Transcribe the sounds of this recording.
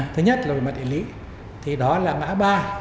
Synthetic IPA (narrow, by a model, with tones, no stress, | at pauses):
t̪ʰɨ˨˦ɲə˦˥t̚la˨˩˨ma˨˩ɗḭ˧˩˨lḭ˧˥ | t̪ʰi˨˩ɗɔ˨˦laː˨˩ma̰ː˧˥ɓaː˧